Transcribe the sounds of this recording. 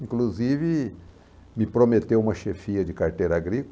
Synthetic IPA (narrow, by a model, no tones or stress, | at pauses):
ĩŋkluzivɪ | mɪpɾomet̪ewũmɐʃefiɐd͡ʒɪkaɾt̪ejɾɐaɡɾikʊ